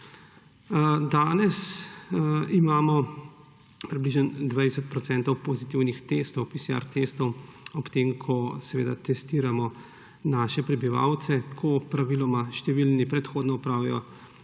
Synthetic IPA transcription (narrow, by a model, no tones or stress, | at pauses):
d̪aːnɛs | imaːmɔ | pɾibliʒjɛnd̪ʋajsɛt̪̚pɾɔt̪sɛnt̪ɔwpozit̪iwnixt̪est̪ɔwpisia̰ɾt̪est̪ɔwɔpt̪eːmkʰɔsɛʋḛːd̪at̪ɛst̪iːɾamɔ | naːʃɛpɾɛbiʋa̰wt̪sɛkʰɔpɾaʋilɔmaʃt̪ɛʋilnipɾɛt̪xoːd̪nɔɔpɾaːwijɔ̰